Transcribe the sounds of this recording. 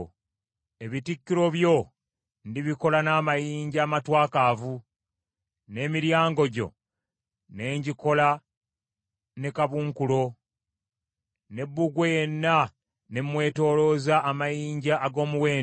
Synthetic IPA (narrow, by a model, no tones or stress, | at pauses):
e̞βitikːiɾo̞βjo̞ | ndiβiko̞lanaːmajiːɲɟaːmatwaːkavu | ne̞miɾjaːŋɡo̞ɟo̞̰ | ne̞ːɲɟiko̞la | ne̞kaβuːŋkulo̞ | ne̞bːuɡweje̞nːa | nemwe̞ːto̞ːlo̞zaʔːmajiːɲɟaʔːɡo̞ːmuwe̞ː